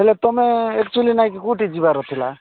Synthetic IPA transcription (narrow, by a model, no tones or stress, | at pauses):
ɦelet̪ɔmeekt͡ʃulinaj̃kikuʈid͡ʒibaɾɔt̪ʰila̰